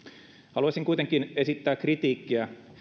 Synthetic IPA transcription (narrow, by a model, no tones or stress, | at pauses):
hɑluɑsiŋkujt̪eŋkine̞sit̪ːæːkrit̪iːkːiæ